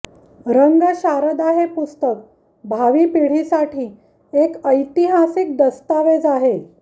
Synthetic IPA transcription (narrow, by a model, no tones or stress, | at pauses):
ɾəŋɡəɕaɾəd̪aɦepust̪ək̚ | bʱaʋiːpiɽ̤isaʈʰiː | ekəjt̪iɦasik̚d̪əst̪aʋed͡zaɦe